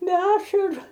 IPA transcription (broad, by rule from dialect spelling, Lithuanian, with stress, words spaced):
bʲɛ ˈɑːʃɐrʊ